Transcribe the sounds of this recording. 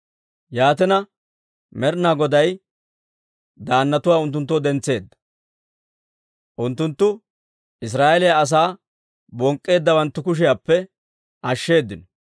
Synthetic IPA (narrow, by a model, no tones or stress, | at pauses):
jaːt̪ɛnɐ | mɛɾnaɡɔd̪ɐj | d̪aːnːɐt̪ʊwaːʊnt̪ːʊnt̪ːɔd̪ɛnt͡sːe̞ːd̪ːɐ̥ | ʔʊnt̪ːʊnt̪ːʊ | ʔɪs̬ɾaːʔɛlɪjaɐs̬aː | bɔŋkʼːe̞ːd̪ːɐwɐnt̪ːʊkʊʃ̬ɪjaːpːɛ | ʔɐʃːe̞ːd̪ːɪnɔ